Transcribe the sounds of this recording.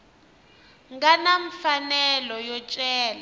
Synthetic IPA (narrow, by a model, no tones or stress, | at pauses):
ŋɡanaɱfanɛlɔjɔt͡ʃʼɛːla